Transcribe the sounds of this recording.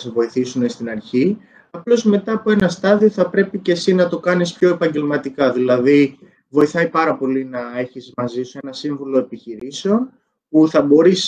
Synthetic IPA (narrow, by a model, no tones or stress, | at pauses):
sevo̞iθisune̞st̪inɐɾçi | ɐplo̞zme̞t̪ɐːpo̞e̞nɐst̪ɐðio̞θɐpɾe̞pice̞sinɐt̪o̞kɐnispço̞e̞pɐɲɟe̞lmɐt̪ikɐðilɐði | vo̞iθɐjpɐɾɐpo̞linɐe̞çizmɐzisue̞nɐsiɱvulo̞e̞piçiɾiseo̞n | puθɐbo̞ɾis